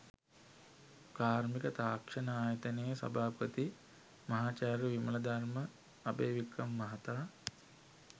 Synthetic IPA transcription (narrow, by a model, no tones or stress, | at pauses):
kaːɾmikət̪aːkʂɐnəaːjɐt̪ɐnejəsɐ̰bʱaːpət̪i | mɐɦaːt͡ʃaːɾəʋimɐlɐd̪aɾmə | abeːʋikːɐmːɐɦat̪aː